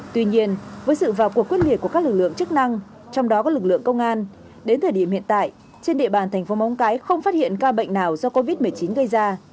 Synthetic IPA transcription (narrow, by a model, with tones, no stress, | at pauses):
t̪wi˧ɲi˧ənvəː˨˦jsɨ̰˧˨vaː˨˩wku˨˩əkwt̚li˨˩t̚ku˧˩əka˦˥lɨ˨˩k̚lɨ̰˧˨əŋt͡ɕɨ˦˥k̚na˧ŋ | t͡ɕɔ˧wŋ͡mɗɔ˨˦kɔ˨˦lɨ˨˩k̚lɨ̰˧˨əŋkə˧wŋ͡mʔaː˧n | ɗe˨˦nt̪ʰəː˨˩ɗi˧˩əmhḭ˧˨nt̪a̰ː˧˨j | t͡ɕe˧nɗḛ˧˨ɓaː˨˩nt̪ʰɛ˨˩ŋ̟fo˨˦ma˨˦wŋ͡mkaː˨˦jxə˧wŋ͡mfaː˦˥t̚hḭ˧˨ənkaː˧ɓə̰˧˨ŋ̟naː˨˩wzɔ˧ko˧vi˦˥t̚mɨ˨˩əjt͡ɕi˨˦nɣə˧jzaː˧